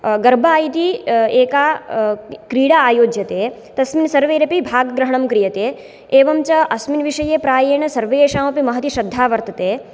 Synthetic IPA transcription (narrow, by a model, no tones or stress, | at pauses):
ɡɐɾbʱaːjt̪ieːkaː | kɾiːɽaaːjoːd͡ʒjɐt̪eː | t̪ɐsminsɐɾʋeːɾɐpibʱaːɡɡɾɐɦɐɳ̃ɐmkɾijɐt̪eː | eːʋɐmt͡ʃɐʔɐsminʋiʃɐjeːpɾaːjɐːɳɐsɐɾʋeːʃaːmɐpimɐɦɐt̪iʃɐd̪ʱːaːʋɐɾt̪ɐt̪eː